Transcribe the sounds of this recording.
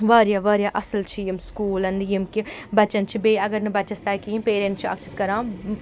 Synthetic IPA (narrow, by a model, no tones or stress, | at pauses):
ʋɐːɾjaːʋɐːɾjaːʔɐsɐlt͡ʃʰijimskuːlɐnjimkibɐt͡ʃɐnt͡ʃʰibeːɐɡɐɾnɐbɐt͡ʃɐst̪aːikiimpeːɾẽɳt͡ʃʰiɐ̰kt͡ʃʰɐskɐɾãː